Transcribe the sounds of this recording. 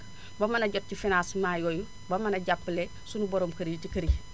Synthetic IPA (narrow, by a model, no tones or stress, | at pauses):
bɐmɐnɐɟɔt̚cifinasmaːjɔju | bɐmɐnɐɟapːle | sunubɔɾoːmkɐɾijcikɐɾi